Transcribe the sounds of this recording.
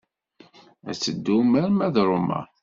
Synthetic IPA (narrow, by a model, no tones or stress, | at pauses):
æt͡sːəd̪ːumæɾmæðɾˤʊmæ̰